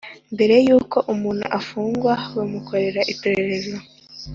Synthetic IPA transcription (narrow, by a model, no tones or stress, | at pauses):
mbe̞ɾe̞juːko̞ʔumuːn̥hṵʔafuːŋɡwawamukʰo̞ɾe̞ɾaʔipeɾe̞ɾe̞zo